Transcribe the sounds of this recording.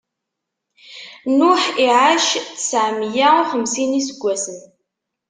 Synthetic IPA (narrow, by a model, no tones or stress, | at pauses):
nʊħiʕaʃθə̥sʕmjaʊχəmsinisəɡʷːæsən